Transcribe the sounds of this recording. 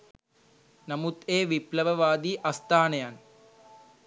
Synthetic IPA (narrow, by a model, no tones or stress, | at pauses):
nɐmut̪eːʋiplɐʋɐʋaːd̪iʔɐst̪aːɳɐjaːn